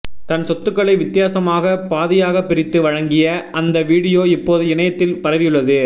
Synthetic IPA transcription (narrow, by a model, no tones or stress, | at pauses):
t̪ɐnsɔt̪ːɯkːɐɭɐɪʋɪt̪ːɪjaːsɐmaːɣɐpaːðɪjaːɣɐpːɪɾɪt̪ːɯʋɐɻɐŋɡɪjɐɐnd̪ɐʋiːɽɪjoːɪpːoːðɯɪɳɐjɐt̪ːɪlpɐɾɐʋɪjɯɭːɐðɯ